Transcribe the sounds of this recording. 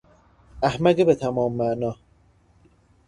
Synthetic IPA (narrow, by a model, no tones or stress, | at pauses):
æhmæɡebet̪ʰæmɒːmːæʔnɒː